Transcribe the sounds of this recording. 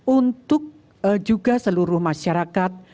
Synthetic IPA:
unt̪ʊk̚ | d͡ʒuɡa̤səluɾʊhmaʃaɾakat̪̚

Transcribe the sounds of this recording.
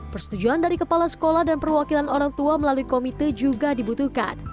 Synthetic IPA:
pərsə̥t̪ud͡ʒuandaɾikəpalasə̥kolahdanpərwakilanoɾaŋt̪uaməlaluikomit̪əd͡ʒuɡadibut̪uka̰n

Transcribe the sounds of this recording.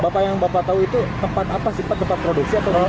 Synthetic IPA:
bapajaŋbapat̪auit̪ut̪əmpat̪apasipat̪ːəmpat̪̚pɾoduk̚siat̪aa

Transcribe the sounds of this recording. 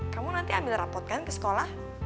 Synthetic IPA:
kamunant̪iambɪlrapɔt̪̚kankəsə̥kolah

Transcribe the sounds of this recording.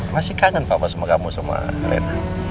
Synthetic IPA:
masikaŋənpapasamakamusama̰ɾḛna

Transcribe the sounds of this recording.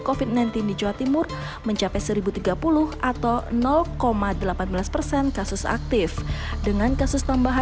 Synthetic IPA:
kofit̪̚najnt̪ɪndid͡ʒawat̪imʊr | məɲt͡ʃapɛsəɾibut̪iɡapulʊhʔat̪awnɔlkomadəlapanbəlaspərsɛnkasʊsa̰k̚t̪ɪfdəŋankasʊst̪ambaɦa

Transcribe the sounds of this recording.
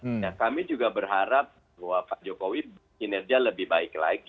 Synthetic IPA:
nakamid͡ʒuɡabərɦaɾap̚ | hwafad͡ʒokowi | inɛrɡialəbɪhbaɪkla̰ɪk̚

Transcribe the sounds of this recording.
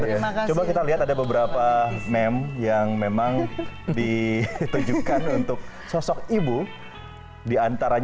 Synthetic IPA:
t͡ʃobakit̪aliɦat̪adabəbəɾapamɛmjaŋmemaŋdit̪ud͡ʒukanunt̪ʊk̚ | sɔsɔkibu | diant̪aɾaɲ

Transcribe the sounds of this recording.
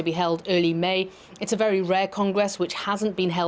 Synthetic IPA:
əbiɦɛlˠdɜːlimeɪ | ɪtsəvɛɹiɹɛːkʰɒ̃ŋɡɹɛswɪt͡ʃhazə̃nb̥ĩnɦɛ

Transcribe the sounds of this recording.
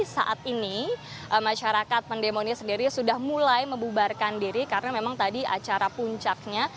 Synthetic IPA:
sa̰ʔat̪ini | ʔəmaʃaɾakat̪̚pəndemonɲasəndiɾisudahmulajməmbubarkandiɾikaɾənamemaŋt̪adia̰t͡ʃaɾapuɲt͡ʃak̚ɲa

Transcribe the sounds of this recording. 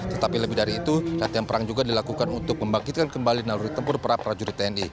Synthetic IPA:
t̪ət̪apiləbɪhdaɾiːt̪urat̪janpəɾaŋd͡ʒuɡadilakukanunt̪ʊk̚məmbaŋkit̪̚kankəmbalinaluɾit̪ːəmpʊrpəɾapəɾad͡ʒuɾit̪əɛni

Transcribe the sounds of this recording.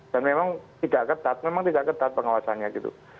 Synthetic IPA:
d̥anmemaŋt̪idakat̪at̪̚memaŋt̪idaakant̪aat̪̚pəŋawasanɲaɡit̪ṵ

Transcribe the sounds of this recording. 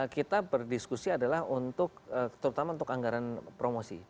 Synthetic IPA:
kit̪abərdiskusiadalahunt̪ʊkət̪əɾut̪amaunt̪ʊkaŋɡaɾanpɾomosḭ

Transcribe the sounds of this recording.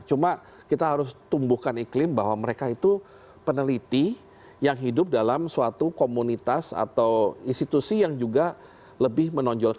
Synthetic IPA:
t͡ʃuma | kit̪aɦaɾʊst̪umbuhkaniklɪmbaɦwaməɾekait̪u | pənəlit̪i | jaŋɦidʊp̚dalamsuat̪ukomunit̪asa̰t̪awinst̪it̪usijaŋd͡ʒuɡa | ləbɪhmənɔɲd͡ʒɔl

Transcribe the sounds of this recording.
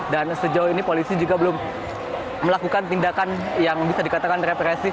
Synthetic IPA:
dansəd͡ʒaʊɦinipolisid͡ʒuɡabəlʊmː | əlakukant̪indakan | jaŋbisadikat̪akanrepɾɛsɪ

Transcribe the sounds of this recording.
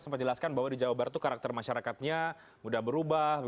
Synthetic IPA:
səmpat̪̚d͡ʒəlaskanbaɦwadid͡ʒawabaɾt̪ukaɾak̚t̪ərmaʃaɾakat̪̚ɲa | mudahbəɾubah

